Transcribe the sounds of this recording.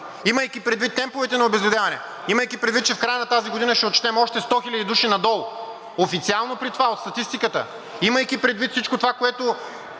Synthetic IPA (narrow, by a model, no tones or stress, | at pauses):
iməjkipɾɛd̪vit̪ːɛmpovɛt̪ɛnɐobɛzvɛd̪javɐnɛ̰ | iməjkipɾɛd̪vit̪̚ːt͡ʃɛfkɾajənɐt̪aziɡod̪inəʃt̪ɛot̪̚t͡ʃɛ̥t̪ɛmɔʃt̪ɛst̪ɔxilʲɐd̪id̪uʃinɐd̪ɔlˠ | ofit̪sialˠnopɾit̪ovaot̪st̪ɐt̪ist̪ikət̪ə̰ | iməjkipɾɛd̪vit̪fsit͡ʃkot̪ovakoɛt̪o